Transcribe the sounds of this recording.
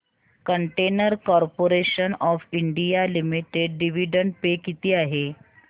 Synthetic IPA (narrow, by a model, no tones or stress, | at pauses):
kəɳʈenəɾkɔɾpoɾeɕənɔfiɳɖijalimiʈeɖːiʋiɖəɳɖpekit̪iːaɦe